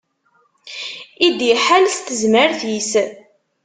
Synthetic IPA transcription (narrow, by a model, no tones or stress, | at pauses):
id̪iħalst̪ːəzməɾθis